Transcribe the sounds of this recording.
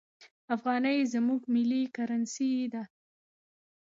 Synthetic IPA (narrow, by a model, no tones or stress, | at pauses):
afɣɑnəjzamuɡmɪlikaɾansid̪a